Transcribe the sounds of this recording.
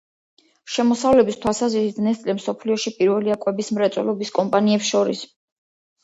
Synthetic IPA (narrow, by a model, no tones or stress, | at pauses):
ʃɛmɔsavlɛbist̪ʰwalˠsazvisid̪nɛst̪ʼlɛmsɔpʰliɔʃipʼiɾvɛliakʼwɛbismɾɛt̪sʼwɛ̰lɔbiskʼɔmpʼaniɛpsʃɔɾḭs